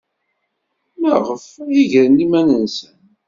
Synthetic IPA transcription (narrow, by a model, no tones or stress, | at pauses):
məʁəfjiʝɾənimænənsən